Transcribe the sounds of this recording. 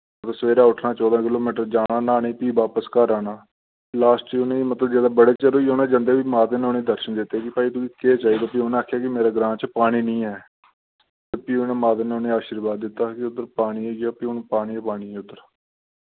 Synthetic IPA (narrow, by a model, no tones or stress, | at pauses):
ət̪əsəʋeːɾaːʊʈʰnaːt͡ʃɔːd̪ãːkɪloːmiːʈ̬əɾd͡ʒaːnaːnaːnẽːpiːʋaːpəskəɾaːnaː | laːsʈt͡ʃiːʊnẽːmət̪ləbd͡ʒaːd̪aːbəɽeːt͡ʃəɾoːioːnẽːd͡ʒə̃nd̪eːʋiːmaːt̪enːoneːd̪əɾʃənd̪ɪt̪ːeːkɪpaːiːt̪ʊiːkeːt͡ʃaːiːd̪aːpiːonẽːaːkʰːjaːkɪmeːɾaːɡɾãːt͡ʃpaːɽ̃iːnĩːɛː | t̪epiːʊnẽːmaːt̪eːneʊnẽːaːʃəɾbaːd̪ːɪt̪ːaːkɪʊt̪ːəɾpaːɽ̃iːeːɡaːpiːʊnũːpaːɽ̃iːpaːɽiːɛːʊt̪ːəɾ